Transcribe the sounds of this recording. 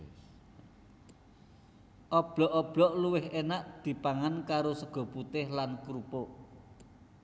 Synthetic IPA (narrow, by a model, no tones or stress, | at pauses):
ʔɔb̥ɔʔɔb̥lɔʔluwɪɦenaʔd̪̥i̤paŋankaɾosəɡ̥ɔ̤put̪ɪhlankɾupo